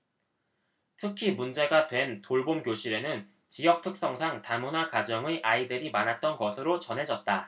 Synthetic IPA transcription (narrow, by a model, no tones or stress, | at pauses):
tʰɯkʰimund͡ʑe̞ɡadwe̞ntoɭbomkjoɕʰiɾe̞nɯn | t͡ɕijʌk̚tʰɯk̚s͈ʌŋsʰaŋtamunakad͡ʑʌŋeʔaidɯɾimanɦat̚t͈ʌnɡʌsʰɯɾot͡ɕʌnɦe̞d͡ʑʌt̚t͈a